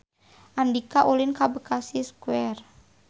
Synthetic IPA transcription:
ʔandikaʔulinkabəkasiskuɛr

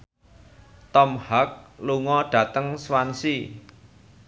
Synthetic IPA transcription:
t̪ɔmhak̚luŋɔɖ̥ä̤t̪əŋswansi

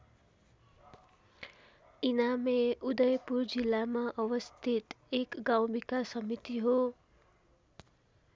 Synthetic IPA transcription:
inameud̪ʌjpuɾd͡ʒilːamaʔʌʋʌst̪ʰit̪ | ekɡaw̃mikasʌmit̪iɦo

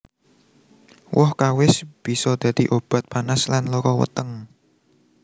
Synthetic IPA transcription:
wʔɔhkawɪsb̥i̤sɔd̪̥ä̤d̪̥iʔob̥ä̤t̪̚panaslanlɔkɔwə̰t̪əŋ

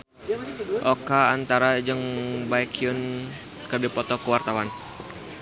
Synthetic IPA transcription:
ʔɔkaːnt̪aɾad͡ʒəŋbaikiʊn | kədipɔt̪ɔkəwart̪awan

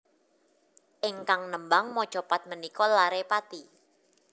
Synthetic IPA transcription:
ʔɪŋkaŋnəmbaŋmɔ̥ʒ̥ɔpat̪̚mənikɔlaɾepat̪i

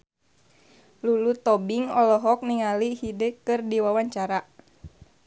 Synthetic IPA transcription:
lulut̪ɔbiŋɔlɔɦɔk̚niŋalihidekɨrdiwawaɲt͡ʃaɾa

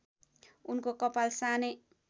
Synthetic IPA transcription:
unkokʌpalsanʌ

